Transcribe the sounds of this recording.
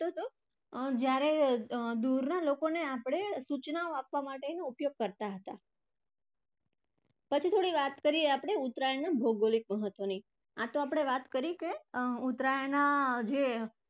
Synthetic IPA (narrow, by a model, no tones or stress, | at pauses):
t̪ot̪o | d͡ʒjaɾed̪uɾnalokoneapɽ̃esut͡ʃnaoapʋamaʈenoupjoɡ̚kəɾt̪aɦət̪a | pət͡ʃʰit̪ʰoɽiʋat̪kəɾieapɽ̃eut̪ɾajənabʱoɡolik̚məɦət̪ʋəni | at̪oapɽ̃eʋat̪kəɾikeut̪ɾajnad͡ʒe